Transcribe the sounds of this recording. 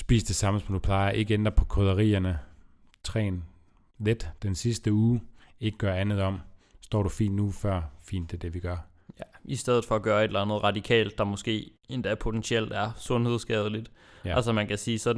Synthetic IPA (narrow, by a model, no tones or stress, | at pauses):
sb̥ḭːsd̥e̝sɑ̈məsɒ̽md̥upʰlɑ̈ɪɐʔe̝ɡ̥əend̥ʁɐpʰɒ̽kʰoðˠɐʁḭːɐnə | t͡sʰʁɛ̰ːn | led̥d̥ensisd̥əuːe̝ɡ̥əɡ̥ɶɐænð̞̩ˠɒ̽m̰ | sd̥ɒ̰ːɾ̥ufḭːnd̥nufɶɐ̰fḭːnd̥d̥e̝ɐd̥e̝ʋiɡ̥ɶɐ | æʔisd̥eðˠð̩ˠfɒ̽ːɡ̥ɶːɐe̝d̥lænð̩ˠʁɑ̈d̥ikʰɛ̰ːld̥ːɑ̈mɔ̽sɡ̥e̝̰ː | e̝nd̥æɐpʰo̝t͡sʰensiel̰d̥æɐsɔ̽nhe̝ð̞ˠsɡ̥ɛ̰ːð̞ˠlid̥ | ælsɒmænkʰæsiːsɒ̽d̥̩